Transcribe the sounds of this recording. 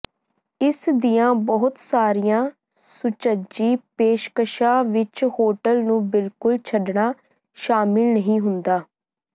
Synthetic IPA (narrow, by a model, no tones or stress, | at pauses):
ɪsd̪ijãːbɔɦʊt̪saːɾijãː | sʊt͡ʃəd͡ʒiːpeːʃkəʃaːʋɪt͡ʃhoːʈəlnũːbɪlkʊlt͡ʃʰəɖɳaː | ʃaːmɪlnəɦĩːɦʊnd̪aː